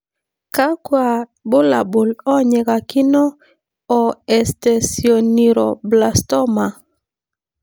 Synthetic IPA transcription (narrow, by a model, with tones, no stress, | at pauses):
ka˦kwa˨bʊ˦la̰˨bʊ˨lɔ˦ɲe˨ka˨kɪ˦nɔ˦ | ɔ˨ɛ˨sta˨sio˨ni˨ɾɔ˨bla˨stɔ˦ma˨